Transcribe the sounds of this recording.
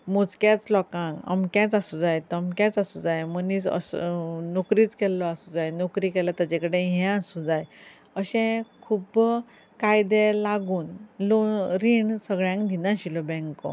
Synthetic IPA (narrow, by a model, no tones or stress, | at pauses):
mot͡skjat͡slɔkãŋkə̰mkjãt͡sasud͡zajt̪əmkjat͡sasud͡zajmənisə̰snokɾiːt͡skɛlːɔasud͡zajnokɾikɛlat̪at͡ɕekəɽeɦɛ̃asũd͡zaj | əɕɛ̃kʰub | kajd̪ɛlaɡuːnloɾiɳsəɡɭjãŋkd̪ʱinãɕilɔbɛ̃ŋkɔ̰